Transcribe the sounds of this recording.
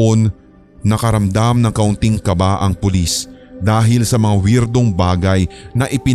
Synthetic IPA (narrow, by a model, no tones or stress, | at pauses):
onː | ɐkɐɾɐmd̪amnɐŋkɐʔʊnt̪iŋkɐbaʔɐŋpʊlisd̪aːɦɪlsɐmɐŋawiɾd̪o̞ŋbaːɡɐjnɐʔɪpɪ